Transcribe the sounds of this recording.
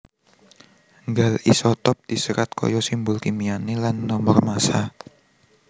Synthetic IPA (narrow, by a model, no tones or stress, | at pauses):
ŋɡalḭsɔt̪ɔp̚d̪̥isəɾat̪̚kɔ̰jɔsimbʊlkimianelanːɔmɔrmasa